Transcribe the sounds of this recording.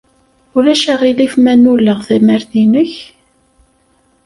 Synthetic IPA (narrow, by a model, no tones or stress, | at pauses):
ʊlæʃaʁilifmænulːəʁθæmæɾθinəç